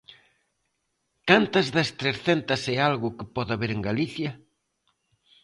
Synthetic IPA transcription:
kant̪ɐzðɐst̪ɾeɾθent̪ɐsealɣʊkɪpɔðaβeɾeŋɡaliθjɐ

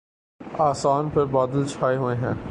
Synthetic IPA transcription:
aːsaːnpʰɪɾbaːd̪ɪlt͡ʃʰaːeɦoːẽɦɛ̃ː

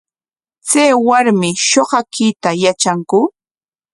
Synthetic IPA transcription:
t͡sajwaɾmɪʃoɢɑkit̪ajat͡ʃaŋkʊ

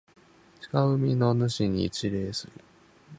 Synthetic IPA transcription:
t͡ɕi̥kaɯ̟mʲino̞nɯ̟ɕiɲ̟ḭt͡ɕiɾe̞ːsɨɾɯ̟

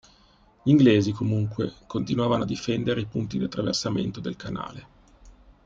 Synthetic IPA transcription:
ʎiŋɡleːzikomuŋkwekont̪inuaːvanoad̪ːifɛnd̪eɾeipunt̪id̪iat̪ːɾavḛrsamḛnt̪od̪elkana̰ːle

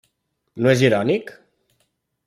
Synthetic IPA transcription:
noeziɾɔnik

